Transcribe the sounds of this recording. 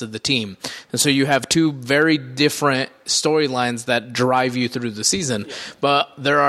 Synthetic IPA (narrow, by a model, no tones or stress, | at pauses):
ʌvðɨtʰĩm̃nsoʊjɨːv̥tʰʉvɛɹidɪfɹɨ̃nt̚stɔɹilãɪ̃nzðɨt̚dɹaɪvjɨθɹʉðɨsizɨ̃nb̥ʌt̚ðə˞